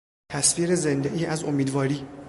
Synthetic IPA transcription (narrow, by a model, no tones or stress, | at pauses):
t̪ʰæsviːɾeze̞nd̪eʔiːʔæzomiːd̪vɒːɾiː